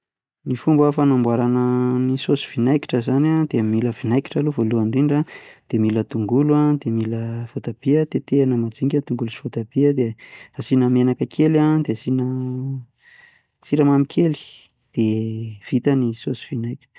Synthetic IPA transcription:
nifumbafanambwaɾanənisosi̥v̥inajki̥ʈ͡ʂəzanad̪̥eammiləv̥inajki̥ʈ͡ʂaluvoluaɳɖ͡ʐiɳɖ͡ʐad̪̥emilət̪uŋɡuluad̪emiləv̥ot̪ab̥iət̪et̪eanəmad͡ziŋɡʲant̪uŋɡulusi̥v̥ot̪ab̥iəd̪easinəmenakəkʰelad̪easinə | siɾamamikʲʰeli̥ | d̪̥ev̥it̪ənisosi̥v̥inajki̥

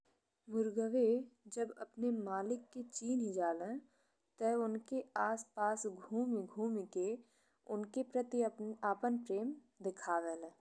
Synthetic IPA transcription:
mʊɾɡəʋed͡ʒəbɐ̰pnemaːlɪkːet͡ʃiːnɦid͡ʒaːlẽ | t̪əʊnkeaːspaːsɡʱuːmiɡʱuːmike | ʊnkepɾət̪iaːpənpɾeːm | d̪ɪkʰaːʋelː

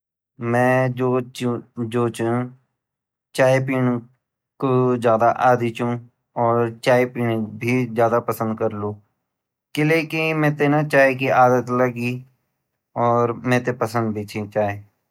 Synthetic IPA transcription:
mɛ̃ːd͡ʒo | d͡ʒoːt͡ʃũ | t͡ʃaːep̬iːn | kozjaːd̪aʔaːd̪it͡ʃũ | ɔːɾt͡ʃaːepiːnbʱizjaːd̪apəsə̃nd̪̚kəɾlũː | kɪleːkimɛ̃ːt̪enat͡ʃaːekiaːd̪ət̪ləɡi | ɔːɾmɛ̃ːt̪epəsə̃nd̪̚bʱeːt͡ʃʰet͡ʃaːe

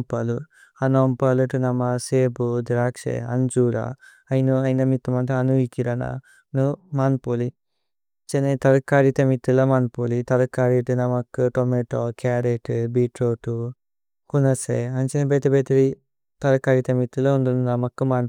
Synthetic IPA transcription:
pɐlu | ɐnoːmpɐluʈunɐmɐseːbud̪iɾaːkʂḛɐ̰nd͡ʒuːɾa̰ | ɐjnuɐjnɐmit̪ːɐmɐnt̪ɐɐnuikiɾɐnɐ̰ | numaːnpoli | t͡ʃenet̪ɐɾɐkːaːɾit̪ɐmit̪ːulɐmaːnpolit̪ɐɾɐkːaːɾiʈunɐmɐkːut̪omeʈokaːɾeʈɨbiʈɾoːʈu | kunɐsḛɐnt͡ʃenebeːt̪ɐbeːt̪iɾi | t̪ɐɾɐkːaːɾit̪ɐmit̪ːulɐund̪ununɐmɐkːumaːn

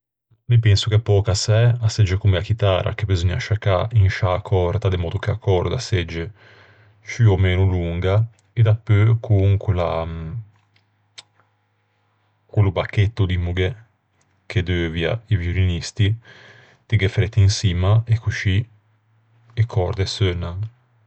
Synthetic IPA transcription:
mipɛnsokɛpːɔːkasɛased͡ʒːekomeakit̪a̰ːɾʔa̰kebizɔɲːaʃakːainʃaːkʰɔrt̪ad̪emɔːd̪okeakʰːɔrd̪ased͡ʒːe | t͡ʃyomeːnuluŋɡa | ed̪apːøkʰuŋkela | kwelubakːet̪ːod̪imuɡe | kʰed̪øːvja̰ivjuɾinist̪i | t̪iɡefɾet̪ːinsiːmaekːuʃi | ekʰɔɾd̪esøːna

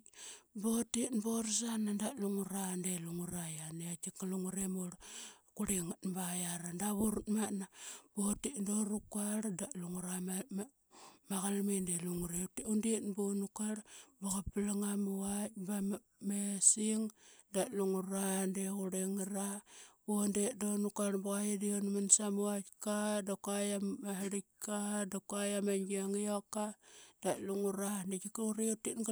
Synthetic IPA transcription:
botinboɾs̬anandaluŋuɾandeluŋuɾajaneat͡ʃikaluŋuɾemoɾkuɾiŋtbajaɾandaβuɾutmanab̥otindoɾukaɾdaluŋuɾa | maɣalmindeluŋuɾetundinbonukaɾbaɣapilaŋamuat̚ba | mesiŋdaʔluŋuɾandeɣuɾeŋɾabondedonukaɾbuɣajadionmansamuatkadakuajaaɦɾikadakajamaŋɡiaŋijokːad̥aʔluŋuɾandekikuɾiutːinɡ

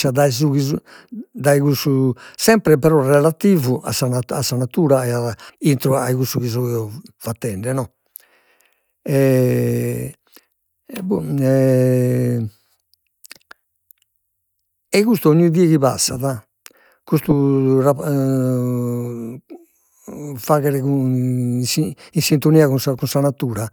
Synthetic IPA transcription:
aðaɛzuɣizud̪aiɣususɛmpɾɛpɛɾɔrɛlat̪iːvuʔa̰sanaasːanat̪uːɾaɛaint̪ɾɔaiɣust̪uɣizɔɛɔfat̪ːɛɳɖɛnɔ | ɛ | buɛ | ɛkust̪ɔoɲːuiðiɛɣiβa̰sːaða | kust̪ura | faɣɛɾɛku | siinsint̪oniːaɣusakunsanat̪ːuːɾa

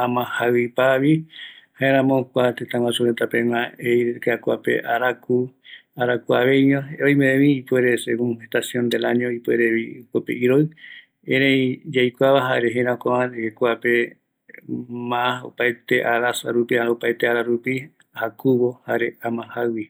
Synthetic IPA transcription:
ãmãhawipaβihaʔẽɾ̃ãmõkʷat̪et̪ãŋwãsuɾet̪apemãejɾkakua̰pḛʔaɾakuaɾakuaβejɲõojmeeβiːpweɾesḛkũnhet̪asjõnd̪elaɲõipueɾeβikopeʔiɾoj | eɾẽjd͡ʒajkʷaβaɦaɾeɦẽɾãokaβãnekekuape | mãao̰pajt̪eʔaɾasa̰ɾupiaopaet̪eaɾaɾupi | ahakuβohaɾeamãhawi

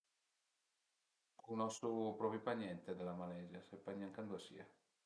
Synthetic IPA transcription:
kunɔsupɾɔpiupaɲɛnt̪ed̪elamalɛzjasepːaɲaŋkand̪uasḭa

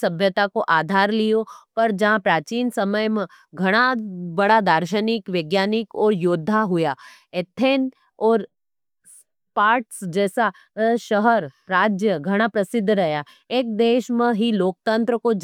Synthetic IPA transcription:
sɐbʱjət̪akoʔaːd̪ʱaːɾlijopɐɾd͡ʒɐɦãpɾaːt͡ʃiːnsɐməjmẽ | ɡʱɐɽ̃abɐɽad̪aːɾʃənɪkʋeːɡjaːnɪkɔːɾjoːd̪ʱːaɦʊjaet̪ʰːeːn | ɔːɾ | s | paːɾʈsd͡ʒɛːsa | ʃəɦəɾɾaːd͡ʒjəɡʱɐɽ̃apɾɐsɪd̪ʱːɾɐɦja | eːk̚d̪eːʃmẽɦiloːk̚t̪ə̃nt̪ɾəko

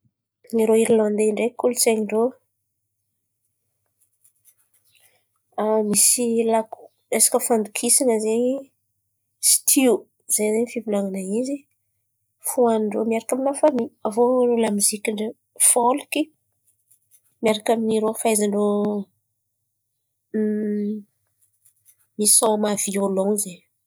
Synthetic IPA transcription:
niɾoiɾiland̪eiɳɖ͡ʐekulut͡seɲiɳɖ͡ʐo | amisilaku̥ | esḁkəfand̪ukʰisinəzeɲ | si̥t̪ʰiu | zejzeɲifibulaŋanaizi | fuanɳɖ͡ʐomiaɾakaminafamiavonolamizikiɳɖ͡ʐə | foliki | miaɾakaminiɾofaizaɳɖ͡ʐo | misamav̥iolowize

